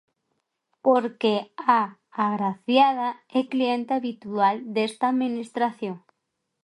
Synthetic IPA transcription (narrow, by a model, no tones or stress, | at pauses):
poɾkeaː | ɣɾaθjaðaɛklient̪eaβit̪uald̪est̪aːðminist̪ɾaθjoŋ